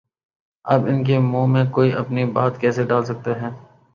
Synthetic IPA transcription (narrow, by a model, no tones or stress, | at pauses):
ɐbɪnk̬emũːmẽkoːiʔɐpnibaːt̪kɛːseɖaːlsɐk̚t̪eɦɛː